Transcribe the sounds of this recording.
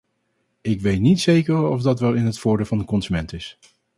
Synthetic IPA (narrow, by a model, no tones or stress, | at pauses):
ɪkʋejtnitsejkəɹɔvdɑtʋɛlˠɪnɦətfʊːɹdeːlvɑndəkɔnzymɛntɪs